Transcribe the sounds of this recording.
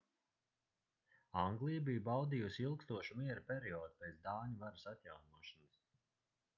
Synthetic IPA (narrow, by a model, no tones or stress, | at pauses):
ãŋɡlˠijbijbawd̪iːjusiilˠkst̪uɔʃumiɛɾupʲɛɾiɔːd̪upeːt̪d̪aːɲuvaɾɨsat̪jawnuɔʃɔnas